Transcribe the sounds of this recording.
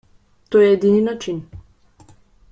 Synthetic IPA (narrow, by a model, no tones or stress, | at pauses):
t̪oːjɛɛd̪ininat͡ʃin